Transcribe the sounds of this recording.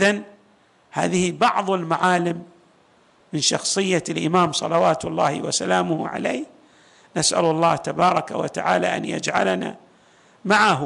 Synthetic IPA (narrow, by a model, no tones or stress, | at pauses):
ʔɪðan | ha̰ːðɪhibɑʕðˤɪlmaʕaːlɪmː | ɪnʃɑxsˤɨjːalʔɪmaːmsˤɑ̰lɑwaːt̪ʊlˤːɑːhḭwa̰salaːmʊhʕa̰leː | nasʔa̰lʊlˤːɑːht̪abɑːɾˤɑkawa̰t̪aʕaːlaʔa̰nja̰d͡ʒʕalana̰ | maʕah